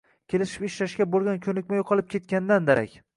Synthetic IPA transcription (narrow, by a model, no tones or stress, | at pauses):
kʲʰe̞lɪʃɪ̥pɪʃlaʃkʲabolˠɡʲankʲʰɵnɪkʲmajqʰɒlˠɪp̚kʲʰe̞t̪̚kʲanɪd̪and̪aɾʔa̰kʲ